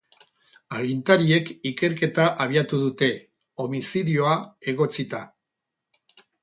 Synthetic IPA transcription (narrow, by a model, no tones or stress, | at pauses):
alint̪aɾie̞kike̞ɾke̞t̪aʔaβ̞iat̪uðut̪e̞ | o̞misiðio̞ae̞ɣ̞o̞t͡sit̪a